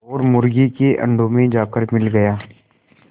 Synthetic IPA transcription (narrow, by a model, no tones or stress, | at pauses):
ɔːɾmʊɾɡikeʔɐ̰̃ɳɖʱõmẽd͡ʒaːkəɾmɪlɡɐjaː